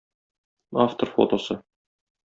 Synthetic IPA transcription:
aft̪orfo̰t̪osɤ

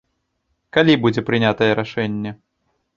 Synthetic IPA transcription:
kalʲibud͡zʲɛpɾɨnʲat̪ɐjɛɾaʂɛnʲːɛ

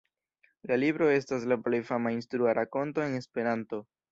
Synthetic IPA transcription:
lalibɾo̞e̞staslaple̞jfamainstɾuaɾʔako̞nto̞e̞ne̞spe̞ɾanto̞

